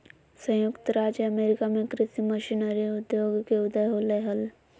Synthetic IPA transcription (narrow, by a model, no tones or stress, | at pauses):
sə̃jʊkt̪ɾaːd͡ʒjəɐmeːɾɪkamẽkɾɪt̪iməʃinəɾiʊd̪joːɡkeʊd̪əjɦoləjɦəl